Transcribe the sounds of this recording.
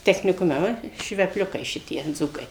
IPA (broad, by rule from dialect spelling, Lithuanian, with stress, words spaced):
tʲɛxʲnʲɪˈkʊmʲɛ ˈʋɐ ʃʲʋʲɛpʲˈlʲʊkɐɪ ˈʃʲɪtʲiɛ ˈd͡zuːkɐɪ